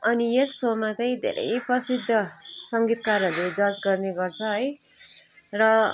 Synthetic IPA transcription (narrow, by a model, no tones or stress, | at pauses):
ʌniesːomat͡sʌĩd̪ʱḛɾʔʌ̰jprʌsid̪ʱːʌsʌŋɡit̪karʌrled͡zʌd͡zɡʌrneɡʌrt͡sʰʌɦʌj | rʌ